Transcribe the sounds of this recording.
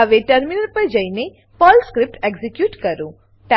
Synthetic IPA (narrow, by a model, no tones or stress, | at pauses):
əʋeʈəɾminəɾpəɾd͡ʒəine | pɔlskɾɪp̚ʈeɡzikjuʈkəɾũ | ʈa